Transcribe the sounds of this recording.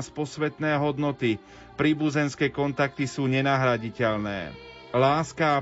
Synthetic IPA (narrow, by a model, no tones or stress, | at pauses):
spɔsʋɛt̪nɛːɦɔd̪nɔt̪i | pɾiːbuzɛnskɛːkɔnt̪ak̚t̪isuːɲɛnaɦɾaɟicɛʎnɛ̰ː | laːskaː